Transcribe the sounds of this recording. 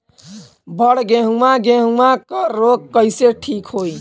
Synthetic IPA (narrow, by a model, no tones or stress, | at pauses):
bʱəɽɡẽɦumaɡẽɦumakəɾːoɡ̚kəɪseʈʰikɦoj